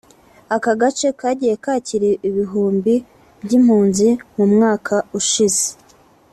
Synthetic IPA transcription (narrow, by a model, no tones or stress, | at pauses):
akaɡat͡ʃe̞kaːɟijekaːciɾeʔiβiɦuːmbi | bɟim̥huːnzimumŋaːkʰauʃize̥